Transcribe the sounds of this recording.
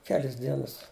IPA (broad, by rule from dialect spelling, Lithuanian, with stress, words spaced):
ˈkʲæːlʲɪs ˈdʲiɛnɐs